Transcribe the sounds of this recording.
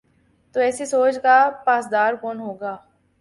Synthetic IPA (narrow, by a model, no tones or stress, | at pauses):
t̪oːɛːsisoːt͡ʃkapaːsd̪aːɾkoːnɦoːɡaː